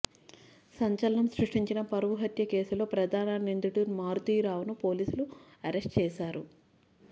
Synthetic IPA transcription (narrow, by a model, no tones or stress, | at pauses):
sɐɲt͡ʃɐlɐnɐmsɾuʂʈiɲt͡ʃinɐpɐɾʋuɦɐt̪jɐke̞ːsulo̞ːpɾɐd̪ʱaːnanind̪uʈunmaːɾt̪iːɾaːʋɐnupo̞ːliːsuluɐɾe̞sʈt͡ʃɛːʃaːɾu